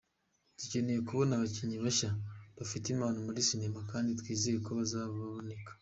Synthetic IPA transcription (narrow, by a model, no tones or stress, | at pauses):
tuce̞ne̞jekuβo̞naβaciɲiβaʃaβafitimaːnomuɾisinemakaːnditwiːzejekoβazaːβaβaβone̞kḁ